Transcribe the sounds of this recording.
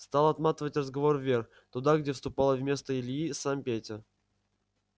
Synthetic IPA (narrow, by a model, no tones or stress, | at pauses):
st̪alˠɐt̪mat̪əvətʲrəzɡɐvo̞rvʲerx | t̪ʊd̪aɡdʲefst̪ʊpalˠəvmʲe̞st̪əɪlʲjisampʲetʲɪr